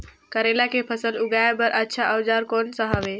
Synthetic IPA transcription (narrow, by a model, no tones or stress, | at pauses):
kəɾelakepʰəsəluɡaebəɾʔətːʃʰaʔəwd͡ʒaɾkoːnsəɦəʋe